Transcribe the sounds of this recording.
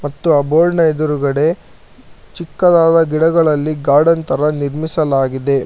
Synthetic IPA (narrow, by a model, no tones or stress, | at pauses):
mɐt̪ːuɐboːlnɐjd̪uɾuɡɐɽe̞ | t͡ʃikːɐd̪aːd̪ɐɡiɽɐɡɐɭɐlːiɡaːɽɐnt̪ɐɾɐniɾmisɐlaːɡid̪e̞